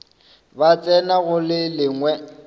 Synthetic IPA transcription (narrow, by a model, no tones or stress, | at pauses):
bat͡sʼɛnaɣʊlɪlɪŋwɛ